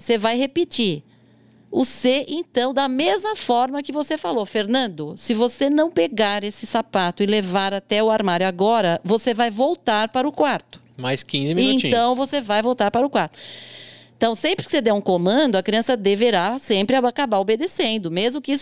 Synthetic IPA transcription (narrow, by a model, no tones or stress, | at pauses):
sevajhepit͡ʃiɾ | ʊseʔẽt̪ɐ̃w̃d̪ɐmezmɐfɔɾmɐkɪvosefalofeɾnɐ̃nd̪ʊsɪvosenɐ̃w̃peɡaɾesɪsapat̪ʊɪlevaɾat̪ɛʊaɾmaɾjʊaɡɔɾɐvosevajvowt̪aɾpaɾʊkwaɾt̪ʊ̥majskĩzɪmiiẽĩɐ̃w̃vosevajvowt̪aɾpaɾʊkwaɾt̪ʊẽt̪ɐ̃w̃sẽpɾɪkɪ̥sed̪ɛũkõmɐ̃d̪ʊɐkɾiɐ̃sɐd̪eveɾasẽmpɾɪaakabaɾobed̪esẽnd̪ʊmezmʊkɪis